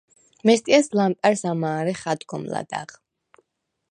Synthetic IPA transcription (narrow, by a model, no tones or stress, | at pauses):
mɛst̪ʼiaslampʼaɾsamaːɾɛχad̪ɡɔmla̰d̪a̰ʁ